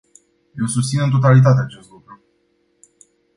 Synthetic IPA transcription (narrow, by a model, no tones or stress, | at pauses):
jelsust̪sinɨnt̪̬o̞t̪alit̪̬at̪eat͡ʃe̞st̪lukɾu